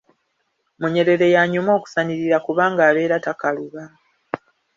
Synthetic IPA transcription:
muɲe̞ɾe̞ɾe̞jaːɲomo̞ːku̥saniɾiɾakuβaːŋɡaːβe̞ːɾatakaluβa

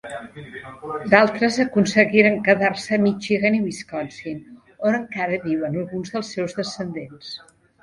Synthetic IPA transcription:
d̪alˠt̪ɾəzəkunsəɣiɾəŋkəðaɾsəmit͡ʃiɣeniβiskɔnsin | onəŋkaɾəβiβənəlˠɣunzðəlˠsːɛwzðəsənd̪ens

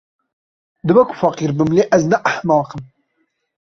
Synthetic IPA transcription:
d̪ɨbɛkʷʰʊ̥fɐqiːɾbɨmleːʔæznɛʔaħnɑːqɨm

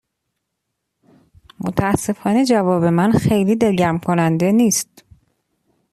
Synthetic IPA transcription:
mot̪ʰæsːe̞fɒːne̞d͡ʒævɒːbe̞mænxe̞jliːd̪elɟæmkʰonænd̪e̞niːst̪̚

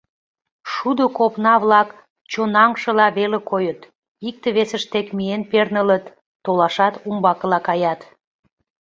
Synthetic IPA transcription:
ʃud̪okopnɑβlɑk | t͡ɕonɑŋʃə̆lɑβelekʰojət̪ | ik̚t̪eβesəʃt̪ekmienpernələt̪ː | olɑʃɑt̪umbɑkəlɑkɑjɑt̪

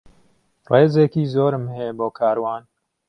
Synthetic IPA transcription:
reːzeːkiːzoːɾɨmhejboːkʰaːɾwɑːn

